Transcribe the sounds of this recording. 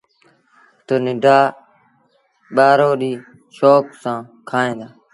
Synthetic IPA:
t̪oːnɪɖʱaː | ɓaːɾoːɗiː | ʃoːksãː | kʰaːẽːd̪aː

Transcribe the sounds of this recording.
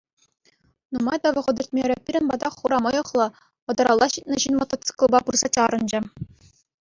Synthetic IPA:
numɑjd̪ɑʋɤ̆χɤ̆d̪ʲɘ̆rt̪̚ʲmʲeɾʲɘ̆pʲiɾʲɘ̆nbɑd̪ɑχuɾɑmɤ̆jɤ̆χlˠɤ̆ | ɤ̆d̪ɑɾɑlˠːɑɕit̪ʲnɤ̆ɕinmɤ̆t̪ːɑ̆t̪t͡sɯ̥klˠbɑpurz̥ɑt͡ɕɑɾɤ̆nd͡ʑɘ̆

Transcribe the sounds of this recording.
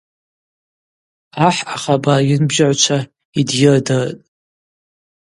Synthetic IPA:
aħaχabajɪnbʒaʕʷt͡ʃʷʰa | idjɪrdɨrtʼ

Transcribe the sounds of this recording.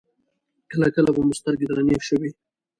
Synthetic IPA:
kəlakəlabamʊst̪aɾɡɪd̪ɾanefʃəwi

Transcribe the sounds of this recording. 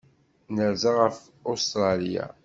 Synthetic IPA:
nəɾzaʁəf | ost̪ɾˤɑlija̰

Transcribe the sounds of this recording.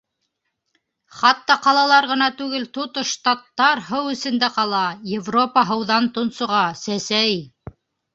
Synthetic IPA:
χɑt̪ːɑqɑlˠɑlˠɑɾʁɤ̆nɑt̪ʉɡɘlt̪ut̪oʃt̪ɑt̪ːɑɾhɤwɘ̆sɘ̆nd̪æqɑlˠɑjevro̞pəɦɤ̆wðɑnt̪ŏnsŏʁɑsæsæj

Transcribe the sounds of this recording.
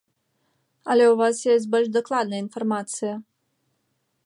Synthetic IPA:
alʲeuvasjesʲt̬̚ʲbəlʲʃd̪oklˠad̪̚nəinformat̪sɨjə

